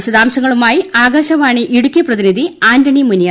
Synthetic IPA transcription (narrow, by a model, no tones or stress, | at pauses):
ɕɐðaːmɕɐŋːɐɭumaːjiaːɡɐːɕɐʋaːɳɨʔiɽukʲːijɐprɐðiniðʱiaːndɐɳimunjaː